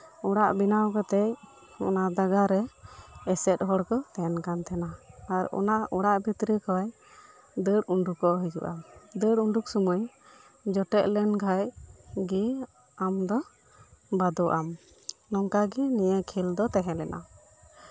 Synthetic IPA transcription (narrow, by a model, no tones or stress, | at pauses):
ɔɽaʔbinawkɔt̪ɛj | ɔ̰nad̪aɡaɾɛɛsɛt̪̚ɦɔɽkɔt̪ɛɛnkant̪ʰɛnaːɾɔ̰naɔɽaʔbʱit̪ɾikawaj | d̪əɽuɳɖukɔɦəd͡ʒṵʔad̪əɽuɳɖuk̚sɔməj | d͡ʒɔʈɛʔlɛnɡʱajɡi | amd̪ɔ | bad̪ɔʔam | nɔŋkaɡinijɛkʰild̪ɔt̪ɛɦɛ̃lɛnʔa̰